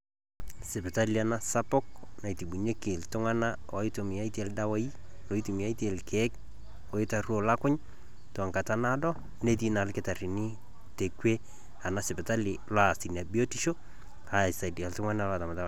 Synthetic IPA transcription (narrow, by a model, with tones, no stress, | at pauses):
sɪ˨bɛ˨ta˦li˨a˨nasa˦pɔ˦k̚na˨i˨ti˨bu˨ɲe˦ke˨ltʊ˦ŋa˦na˦a˨˦ito˨mi˨a˦ite˨ldawa˦i˦ | lo˨i˦tu˨mi˨a˦ite˨lkʰɛ˦k̚ | o˨ɪ˦taruo˨la˦kʊ˦ɲ | to˨a˨ŋka˨ta˦nadɔ˦ | ne˦t̬i˦nalkɪta˨ri˨ni˦ | te˨kwe˦ | a˨na˦sɪ˨bɛ˨ta˦lɪla˨si˨na˨bi˦o˦ti˦ʃo˦ | a˨sa˨di˨a˨ltʊ˦ŋa˦na˦la˨ta˨ma˨ta˦